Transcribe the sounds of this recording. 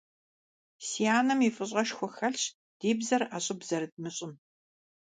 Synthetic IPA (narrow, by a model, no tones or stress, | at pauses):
sijaːnɐmifʼɨɕʼʁɐʃxʷɔxɐɬɕ | d̥iːbzɐraɕʼɪbz̥ɐɾɨd̚mɨɕʼɪm